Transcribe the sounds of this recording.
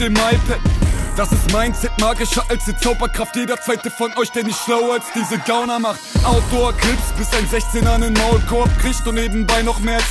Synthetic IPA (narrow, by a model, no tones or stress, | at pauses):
d̥eːmaɪpɛd̥asɪstmaɪnt͡sɛt̚maːɡɪʃɐʔalsd̥iːt͡saʊbɐkʁ̥aftjeːdɐt͡svaɪtəfɔnɔʏçd̥eːnɪçtʃlaʊɐlsd̥iːzəɡaʊnɐmaχtʔaʊd̥oɐkʰɪlfstb̥ɪsaɪnzɛçt͡seːnɐnənmaʊlkʰɔɐp̚kʁ̥ɪçstd̥uːneːbm̩baɪnɔχmeːɐ